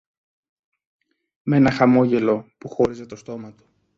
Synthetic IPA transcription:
me̞nɐxɐmo̞ʝe̞lo̞puxo̞ɾiset̪o̞st̪o̞mɐt̪u̥

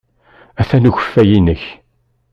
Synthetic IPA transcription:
æθænuçə̥fːæjinəç

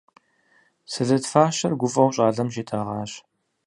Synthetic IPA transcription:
sɨzɐtfaːɕɐrɡʷʊfʼɐwɕʼaːɮɐmʒeːtʰɐʁɑːɕ

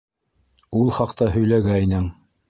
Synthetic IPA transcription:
ulˠχɑqt̪ɑhɵ̆jlæɡæinɘŋ

